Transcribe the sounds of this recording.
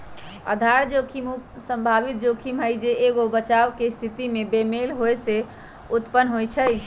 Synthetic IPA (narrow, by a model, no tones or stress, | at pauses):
ə̰d̪ʱaɾd͡ʒokʰimusəmbʱabit̪̚d͡ʒokʰimɦəjd͡ʒeeɡobət͡ʃawkest̪ʰit̪imebemelɦojse | ut̪pənːɦojt͡ʃʰəj